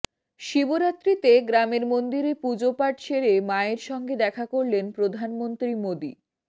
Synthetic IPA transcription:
ʃiboɾat̪ːɾit̪eɡɾameɾmond̪iɾepud͡ʑopaʈt͡ɕʰeɾemaeɾʃɔŋɡed̪ɛkʰakoɾlenpɾod̪ʱanmont̪ɾimod̪i

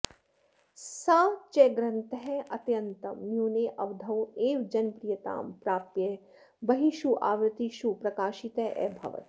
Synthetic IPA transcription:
sɐt͡ʃeɡɾɐnt̪ɐɦɛɐt̪jɐnt̪ɐmːjuːneːʔɐʋd̪ʱɐweːʋd͡ʒɐnpɾijɐt̪a̰ːmpɾaːpje | bɐɦiʃuʔaːʋɾɨt̪iʃupɾɐkaːʃit̪ɐʔɛ̰ːbʱɐ̰ʋɐ̰t̪

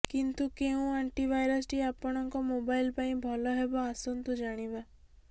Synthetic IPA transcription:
kint̪ukeũaɳʈibajɾɔsʈiapɔɽ̃ɔŋkɔmobailpaĩbʱɔlɔɦebɔasɔnt̪ud͡ʒaɽ̃iba

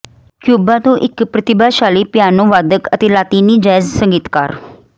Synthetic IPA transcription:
kjubat̪õʔikpɾət̪ibaɕalipjanõʋad̪əkət̪ilat̪iniːd͡ʑajd͡zsəŋɡit̪ka̰ɾ

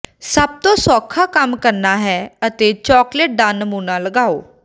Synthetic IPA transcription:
səb̚t̪õːsɔːkʰaːkəmkəɾnaːɦɛːət̪eːt͡ʃɔːkleʈ̚ɖãːnːəmuːnãːləɡaːoː

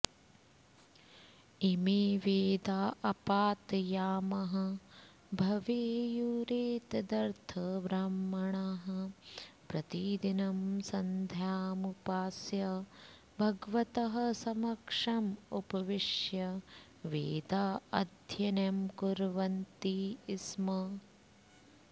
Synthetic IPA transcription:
imiʋeːd̪aːʔɐpaːt̪jaːmɐɦɐ̆ | bʱɐʋeːjuːɾeːt̪d̪ɐɾt̪ʰɐʋɾɐmːɐɳaɦɐ̆pɾɐt̪id̪inɐmsɐnd̪ʱjaːmupaːsjɐ | bʱɐɡʋɐt̪ɐɦɐ̆sɐmɐkʂɐmupɐʋiʂjɐ | ʋeːd̪aːɐd̪ʱjɐnemkuɾʋɐnt̪iːsmɐ

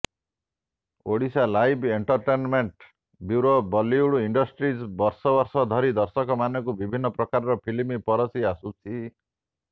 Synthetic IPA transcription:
oɽisalajbʱeɳʈɔɾʈenmeɳʈ | bjuɾobɔliuɽuiɳɖɔsʈɾisbɔɾsɔbɔɾsɔd̪ʱɔɾid̪ɔɾsɔkɔmanɔkubibʱinːɔpɾɔkaɾɔɾɔpʰilmipɔɾɔsiasut͡ʃʰi

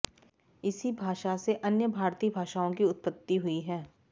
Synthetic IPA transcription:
ɪsibʱaːʃaseʔɐnjəbʱaːɾt̪iːbʱaːʃaõkiʊt̪̚pət̪ːiɦʊiɦɛː

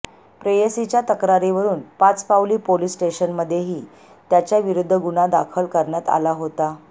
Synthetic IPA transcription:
pɾeesit͡ɕjat̪əkɾaɾiʋəɾuːnpat͡spawliːpolisʈeɕənməd̪ʱːjeɦiː | t̪jat͡ɕjaʋiɾud̪ʱːəɡuɳad̪akʰəlkəɾɳjat̪a̰laɦot̪a

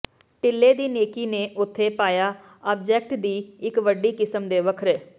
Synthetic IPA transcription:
ʈɪlːeːd̪iːneːkiːneːʔʊt̪ʰːeːpaːjaː | ɔːb̚d͡ʒɛːk̚ʈd̪iːɪkʋəɖiːkɪsəmd̪eːʋəkʰɾɛː

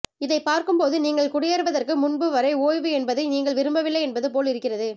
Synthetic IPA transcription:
ɪðɐɪpaːɾkɯmpoːðɯniːŋɡɐɭkʊɽɪjɐɾɯʋɐðɐrkɯmʊnbɯʋɐɾɐɪoːjʋɯɛnbɐðɐɪniːŋɡɐɭʋɪɾɯmbɐʋɪlːɐɪɛnbɐðɯpoːlɪɾɯkːɪrɐðɯ

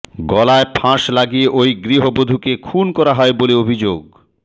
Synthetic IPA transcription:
ɡɔlaepʰãʃlaɡijeʔojɡɾiɦobod̪ʱukekʰunkɔɾaɦɔeboleobʱid͡ʑoɡ

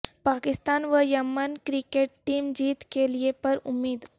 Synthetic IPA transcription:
paːkɪst̪aːnʋəjɐmənkɾɪkeːʈʈiːmd͡ʒiːt̪keliepɐɾʊmːiːd̪ɦ

